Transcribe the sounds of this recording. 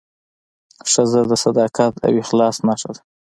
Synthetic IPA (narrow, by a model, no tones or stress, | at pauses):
ʂəzəd̪əsad̪ɑkat̪ʰa̰wixlɑsnaʂad̪a